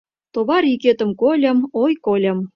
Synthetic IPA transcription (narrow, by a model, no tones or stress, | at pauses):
t̪oβɑɾiket̪ə̆mkolʲə̆mojkolʲə̆m